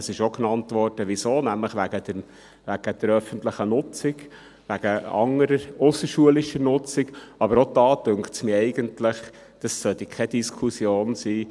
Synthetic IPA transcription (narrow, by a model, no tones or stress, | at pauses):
əsɪʃoknɑntʋɔrd̥əʋisoːnæmləχʋæɡ̥ədə | ʋæɡ̥əd̥̪əɾœfənt̪ləχənʊt͡sɪɡ | ʋæɡ̥əɑ̰ŋəɾəʊsəʃuəlɪʃənʊt͡sɪkɑbəɾod̥ɑːtøŋktsmiɛɪɡəntləχ | d̥ɑsːœt̪ikʰɛdiskʰusjoːnsiː